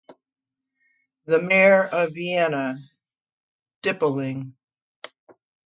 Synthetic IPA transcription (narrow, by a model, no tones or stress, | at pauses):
ðɨmɛɹʌviɛnə | d̥ɪpl̩ˠɪ̃ŋ